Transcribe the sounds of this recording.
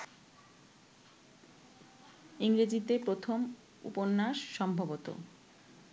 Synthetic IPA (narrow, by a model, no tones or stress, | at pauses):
iŋɾed͡ʑit̪epɾot̪ʰom | ṵponːaʃʃɔmbʱobot̪o̰